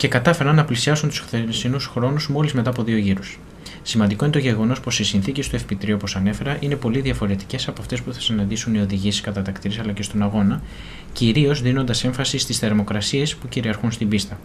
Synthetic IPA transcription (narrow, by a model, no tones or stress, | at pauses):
ce̞kɐt̪ɐfe̞ɾɐnːɐplisiɐsunt̪u̥sθesinusxɾo̞nuzmo̞lizme̞t̪ɐːpo̞ðio̞ʝiɾus | simɐnd̪iko̞int̪o̞ʝe̞ɣo̞no̞spo̞sisinθicest̪oefpit̪ɾio̞po̞sɐne̞fe̞ɾɐʔine̞po̞liðiɐfo̞ɾe̞t̪i̥ce̞sɐpo̞ɐft̪e̞spuθɐ̥sinɐnd̪isunio̞ðiʝisi̥skɐt̪ɐt̪ɐkt̪iɾisɐlɐce̞st̪o̞nɐɣo̞nɐ | ciɾio̞zðino̞nd̪ɐse̞ɱfɐsist̪isθe̞ɾmo̞kɾɐsiespuciɾiɐɾxunst̪imbist̪ɐ